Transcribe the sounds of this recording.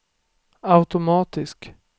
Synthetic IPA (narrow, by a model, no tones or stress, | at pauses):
aʉt̪ʊmɑːt̪ɪsk